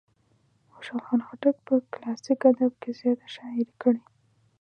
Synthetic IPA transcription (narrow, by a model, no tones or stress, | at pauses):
oʃalxɑnxaʈak̚pəklɑsikad̪abkezjɑt̪ḁʃɑɪɾkəɽi